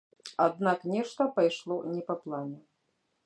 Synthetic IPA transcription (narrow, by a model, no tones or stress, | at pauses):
ad̪naknʲɛʂt̪ɐpajʂlˠɔnʲɛpɐplˠanʲɛ